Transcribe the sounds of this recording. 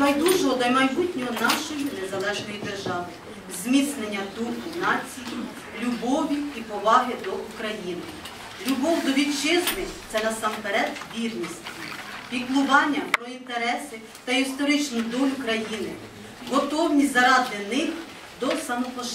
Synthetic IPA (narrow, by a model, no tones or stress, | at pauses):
mɐjd̪uʒɔɦɔd̪ɐjmɐjbutʲnʲɔɦɔnɑʃɔjinezɐlˠɛʒnɔjid̪e̞rʒɑʋɪ | zʲmʲit̪snenʲːɐd̪uinɑt͡sʲiji | lʲubɔʋʲiipɔʋɑɦɪd̪ɔukɾɐjinɪ | lʲubɔwd̪ɔʋʲit͡ʃɪznɪt̪sɛnɐsɑmpeɾɛd̪ʋʲirnʲisʲtʲipʲiklˠʊʋɑnʲːɐpɾɔint̪eɾɛsɪ | t̪ɐist̪ɔɾɪt͡ʃnʊd̪ɔlʲʊkɾɐjinɪ̰ | ɦɔt̪ɔwnʲizɐɾɑd̪ɪnɪx | d̪ɔsɐmɔpɔ